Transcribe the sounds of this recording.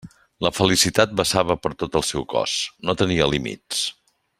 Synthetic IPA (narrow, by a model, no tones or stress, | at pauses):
ləfəlisit̪at̪̚bəsaβ̞əpəɾt̪ot̪əlˠsɛwkɔ̰snot̪əniəlimḭs